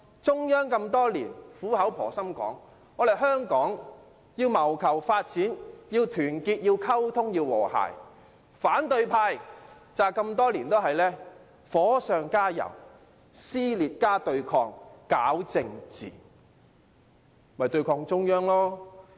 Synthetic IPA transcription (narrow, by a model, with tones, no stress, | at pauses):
t͡sʊ˥ŋjœː˥ŋkɐ˧mt̪ɔː˥liː˨˩nfuː˨˥hɐ˨˥wpʰɔ̰ː˨˩sɐ˥mkɔ̰ː˨˥ŋ | ɔː˨˧le˨˩jɦœː˥ŋkɔː˨˥ŋ | jiː˧wmɐ˨˩wkʰɐ˨˩wfaː˧t̚t͡siː˨˥njiː˧wt̪ʰyː˨˩nkiː˧t̚jiː˧wkʰɐ˥wt̪ʰʊ˥ŋjiː˧wwɔ̰ː˨˩ha̰ː˨˩j | faː˨˥nt̪ɵ˧ɥpʰaː˧j | t͡saː˨kɐ˧mt̪ɔː˥liː˨˩nt̪o˥ɦɐ˨jlɛː˥ | fɔː˨˥sœː˨˧ŋkaː˥jɐ̰˨˩w | siː˥liː˨t̚kaː˥t̪ɵ˧ɥkʰɔː˧ŋkaː˨˥wt͡sɪ˧ŋt͡sḭː˨˩ | mɐ˨jt̪ɵ˧ɥkʰɔː˧ŋt͡sʊ˥ŋjœː˥ŋlɔː˥